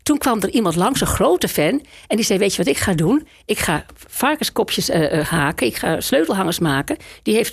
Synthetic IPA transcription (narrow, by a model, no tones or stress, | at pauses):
tunkʋɑmdərimɑntlɑŋsəxroːtəfɛnɛndiz̥ɛjʋetjəʋɑtɪkχaːdun | ɪkχaːfɑrkəskɔpʰjəshaːkənɪkχa̰ːsløːtl̩ˠɦɑŋərsmaːkədiɦeːft